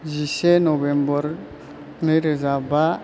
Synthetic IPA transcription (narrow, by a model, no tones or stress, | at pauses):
d͡ʒisɛnɔbɛmbɔɾ | nɯɾezaba